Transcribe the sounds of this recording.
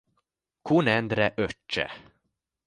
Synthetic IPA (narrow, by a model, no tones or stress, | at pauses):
kʰunɛnd̪ɾɛʔœt͡ʃːə̰